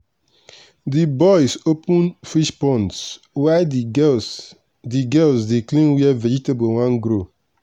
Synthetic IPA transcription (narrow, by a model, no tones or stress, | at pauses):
dibɔjsopũnfiʃpɔ̃nts | wa | diɡɛlsdeklĩnwiɛvɛd͡ʒitebowãnɡɾo